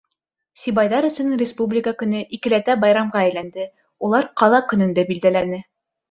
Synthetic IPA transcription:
sʲibɑjðɑɾɵ̆sɵ̆nɘŋrʲɪspublʲɪkakɵ̆nɘʔikɘ̆læt̪æbɑjɾɑmʁɑæjlænd̪ɘ | ulˠɑɾqɑlˠɑkɵ̆nɵ̆nd̪æbild̪ælænɘ

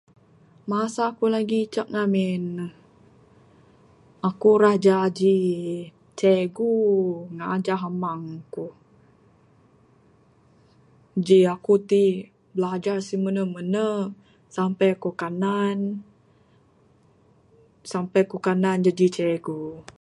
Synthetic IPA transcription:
masakulaɡit͡ʃak̚ŋamɛnəh | akuɾahd͡ʒad͡ʒi | t͡ʃeɡuŋaʔːd͡ʒaɦamaŋku | d͡ʒiakut̪i | bəlad͡ʒasimənəmənə | sampɛjkokanan | sampɛkukanand͡ʒad͡ʒit͡ʃɛɡu

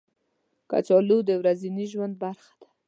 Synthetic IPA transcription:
ka̰t͡ʃɔlud̪əwɾaziniʒwand̪̚baɾxḁd̪̥ḁ

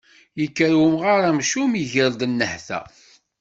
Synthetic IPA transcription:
jəkːəɾwumʁaɾˤæmʃumiʝəɾd̪ənːəħθæ̰

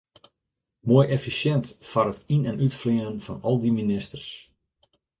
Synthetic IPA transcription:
muəjʔɛfisjɛntfɔrətinɛnytfliənənfɔnɔlˠdiminɪstərs

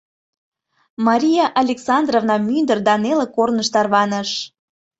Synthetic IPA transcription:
mɑɾʲijɑʔɑlʲeksɑnd̪rovnɑmynd̪ərd̪ɑnelĕkornəʃt̪ɑrβɑnəʃ

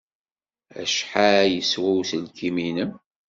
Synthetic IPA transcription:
æ̰ʃħajəswæwθəlkiminəm

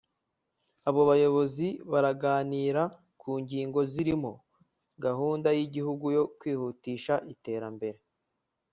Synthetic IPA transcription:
aβo̞βajo̞βo̞ziβaɾaɡaːniːɾa | kʰuːŋɟiːŋɡo̞ziɾimo̞ | ɡaɦuːndajiɟihuɡujo̞kwiːhuːtiːʃaʔite̞ːɾambe̞ɾe̞

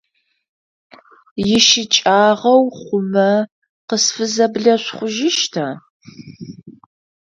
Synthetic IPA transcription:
jɪʃɪt͡ʃʼaːʁɐwχʷʊmɐ | qəsfɨzɐbɮɐɕʷχʷʊʒɪʃtʰaː

